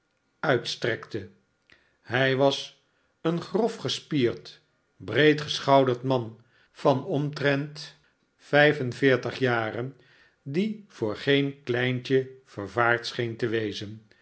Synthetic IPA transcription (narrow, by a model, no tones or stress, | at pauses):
œɥtstrɛktə | ɦɛjʋɑs | ənχrɔfχəspiːɹt | brejtχəsχɑwdəɹtmɑn | v̥ɑnɔmtrɛnt | fɛjfənvɪːɹtəχjaːrən | div̥ʊːɹχejnklɛjnt͡ʃəv̥əɹvaːɹtsχejntəʋejzən